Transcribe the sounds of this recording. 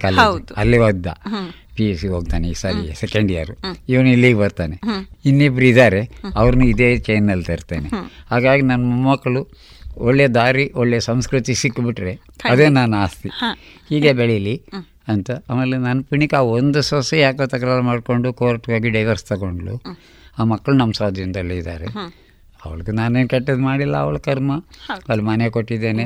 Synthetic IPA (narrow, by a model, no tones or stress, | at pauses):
kɐlɐlːiʋɐd̪ːa̰ | piesioːɡ̚t̪aːneisaɾisekeɳɖija̰ɾuiʋɐnuilːiːɡebɐɾt̪aːneinːibɾid̪aːɾeɐʋɐɾnuid̪eːt͡ʃejnːɐlːt̪ɐɾt̪eːnehaːɡaːɡinɐnːɐmumːɐkːɐɭu | oɭːed̪aːɾiʔoɭːesɐmskɾut̪isikːbiʈɾe | ɐd̪eːnaːnaːst̪i | hiːɡeːbeɭili | ɐnt̪ɐaːmeːlːenɐnːɐpiɳikaːond̪usɐsejaːkɐt̪ɐkːɐɾalmaːɖko̞ɳɖukoːɾɐʈːʋaːɡiɖɐjʋɐɾst̪ɐɡoɳɖɐɭṵ | aːmɐkːɐɭunɐmɐsaːd̪ʱjind̪ɐlːeid̪aːɾe | ɐ̰ʋɐɭɐɡenaːnenkɛʈːɐd̪maːɽilːɐ̰ɐ̰ʋɐɭkɐɾmɐɐlimɐnekoʈːid̪ːe̞ːne